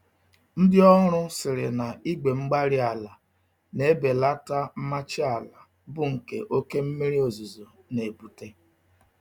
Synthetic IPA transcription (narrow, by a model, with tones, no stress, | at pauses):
n̩˦dɪ˦ɔ˦ɾ̃ʊ˦sɪ˨ɾɪ˨na˨i˦ɡ͡be˨ŋ͡m̩˦ɡ͡ba˦ɾɪ˦a˨la˨ | ne˨˦be˨la˦ta˦m̩˦ma˦t͡ʃɪ˦a˨la˨ | bʊ˦ŋ̩˨kḛ˨ʔo˦ke˦m̩˦mi˦ɾi˦o˨zu˨zo˨ | ne˨bu˨te˦